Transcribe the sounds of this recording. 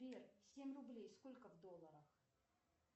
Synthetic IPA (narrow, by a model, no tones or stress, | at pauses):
ɾʲersʲemʲrʊblʲejsko̞lʲkəvd̪olˠːəɾəx